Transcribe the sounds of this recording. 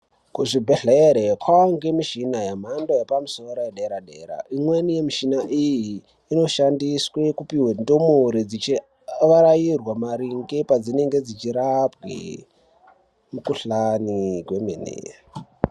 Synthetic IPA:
kuʐibʱeɬeɾekʰwaoŋɡemiʃinajam̤andojepamusoɾojeɗeɾaɗe̞ːɾa̰ʔimwe̞nije̞miʃinaʔijiː | no̞ʃandiswe̞kupiwendomuɾid͡zit͡ʃi | ʋaɾajirwamaɾiŋɡepad͡zine̞ŋɡe̞d͡zit͡ʃiɾapɡḛ | mukuɬanikwemenḛ

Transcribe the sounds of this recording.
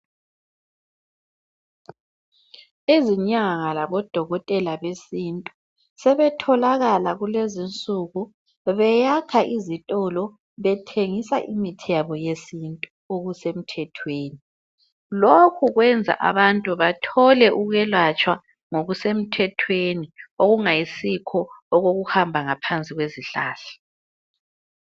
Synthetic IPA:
eziɲaŋalaβɔd̥ʱɔɣɔtʼɛlaβesintʼu | sɛβɛtʰɔlaɣalaɣulezint͡sʼuɣu | βɛjakʰaʔizitʼɔlɔ | βɛtʰeŋisaʔimitʰɛβɔjesintʼu | oɣusem̩tʰɛtʰweːni | lokʰuɣwɛnd͡zʱa̰ʔa̰βantʼuβatʰɔlɛʔuɣɛlwat͡ʃʼwa | ŋoɣusem̩tʰɛtʰwenioɣuŋajisikʰɔːɣoɣuhambʱaŋapʰant͡sʼiɣweziɬaːɬa

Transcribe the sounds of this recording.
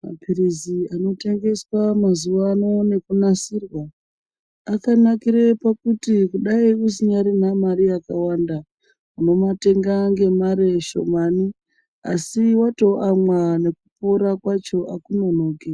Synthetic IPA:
ma̰piriziano̞te̞ŋɡe̞swamazuʋaːno̞ne̞kunasirwaː | kanakiɾepakutikuɗaius̬iɲaɾinamaɾiakawanda | uno̞mate̞ŋɡaŋɡe̞maɾeʃo̞̰mani | a̰siwato̞ʔamwane̞kupo̞ɾakwat͡ʃo̞ʔakuno̞noːke

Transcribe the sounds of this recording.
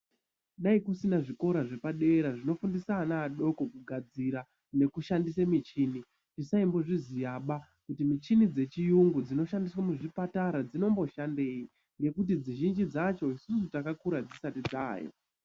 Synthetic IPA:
ɗaikusinaʐiko̞ɾaʐe̞paɗe̞ɾaʐino̞fundisaːnaːɗo̞ko̞kuɡʱad͡ziɾa | ne̞kuʃandisamit͡ʃiːni | tisaimbo̞ʐizijaɓa | kutimit͡ʃinid͡ze̞t͡ʃijuŋɡud͡zino̞ʃandiswamuʐipataɾad͡zino̞mbo̞ʃande̞ːi | ŋɡe̞kut̬id͡ziʒind͡ʒid͡zat͡ʃo̞isusutakakuɾad͡zisatid͡za̰ːjo̰

